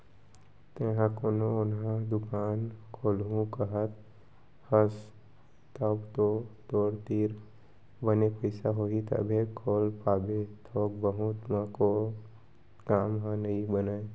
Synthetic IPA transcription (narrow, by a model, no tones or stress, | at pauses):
t̪eɦãkonoʊnɦãd̪ʊkaːnkʰoːlɦũkəɦət̪ | həs | t̪əbt̪ot̪oːɾt̪iːɾ | bənepəɪsaɦoːit̪ə̰bʱekʰoːlpaːbet̪ʰoːk̚bəɦut̪mãko | kaːmɦãnəɦĩbənaːe